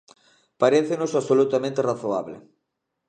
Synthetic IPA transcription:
paɾeθenʊsaβsolut̪amẽnt̪eraθoaβlɪ̰

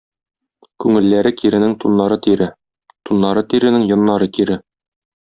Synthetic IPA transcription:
kʉŋɘ̆lːæɾɘkiɾɘ̆nɘŋt̪unːɑɾɤt̪iɾɘ | t̪unːɑɾɤt̪iɾɘ̆nɘŋjŏnːɑɾɤkiɾɘ

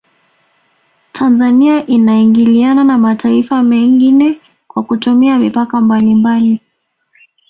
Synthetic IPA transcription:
tʰanzaniaʔinaiŋɡiliananamatʰaifamɛŋɡinɛ | kwakutumiamipakambalimbali

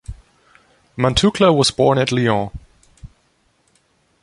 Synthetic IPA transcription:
mãntʰukʰləwʌzbɔɹnɨtˡliɔ̃

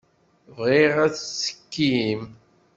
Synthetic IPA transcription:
viʁæt͡ssə̥kːim

